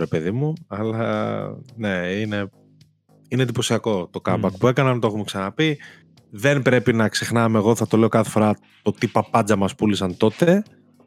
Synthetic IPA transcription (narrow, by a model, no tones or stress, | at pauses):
ɾe̞pe̞ðimuɐlɐ | ne̞ine̞ | ine̞d̪ipo̞siɐko̞t̪o̞kɐmbɐkpue̞kɐnɐnt̪oeumeksɐnɐpi | ðe̞nbɾe̞pinɐkse̞xnɐmeɣo̞θɐt̪o̞leo̞kɐθe̞̥fo̞ɾɐ | t̪o̞t̪ipɐpɐd͡zɐmɐspulisɐnt̪o̞t̪e̞